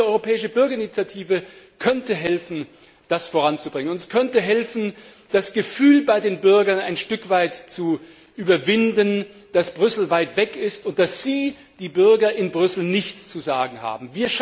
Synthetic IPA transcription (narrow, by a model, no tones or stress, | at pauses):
əʔɔʏʁopʰɛːɪʃəbʏɐɡɐɪnit͡sjatʰiːvə | kʰœntəɦɛlfn̩ | d̥asfoːʁant͡subʁɪŋənʊntɛskʰœntəɦɛlfn̩ | d̥asɡ̥əfyːlbaɪdeːnbʏɐɡɐnaɪnʃtʏkv̥aɪtt͡su | ʔyːbɐvɪndən | d̥asb̥ʁʏsl̩vaɪtv̥ɛkɪstʊnt̚d̥asz̥iː | d̥iːbʏɐɡɐʔɪnbʁʏsl̩nɪçt͡st͡suzaːɡŋ̩ha̰ːbm̩viːɐʃ